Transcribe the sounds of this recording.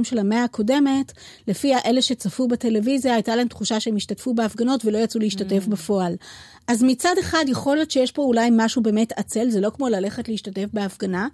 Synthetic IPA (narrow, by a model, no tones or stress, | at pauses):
mʃelameakʰo̞de̞me̞t | le̞fiaʔe̞le̞ʃe̞t͡safubete̞levizjaːjtalaemtχuʃaʃeemiʃtatfubeafɡano̞tvelo̞jat͡suleiʃtate̞fbefo̞al | ʔazmit͡sade̞χadjeχo̞ljetʃejeʃbo̞ulajmaʃube̞ːmetat͡se̞lzelo̞kmo̞lale̞χetleiʃtate̞fbe̞afɡana